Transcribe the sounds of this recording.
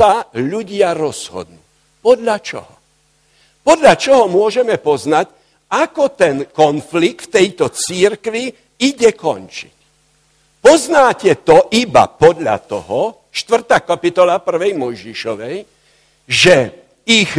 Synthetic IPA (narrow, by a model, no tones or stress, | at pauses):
aʎuɟɪaɾɔz̥hɔ̰d̪nuː | pɔd̪ʎat͡ʃɔ̰ɦɔ | pɔd̪ʎat͡ʃɔɦɔmʊɔʒɛmɛpɔznac | akɔt̪ɛnkɔnflik̚t̪fɛjt̪ɔt͡siɾkʋi | iɟɛkɔ̰nt͡ʃi̥c | pɔznaːcɛt̪ɔʔiba̰pɔd̪ʎa̰t̪ɔ̰ɦɔ | ʃt̪ʋr̩t̪aːkapit̪ɔlapr̩ʋɛjmɔjʒiʃɔʋɛj | ʒɛ | iɣ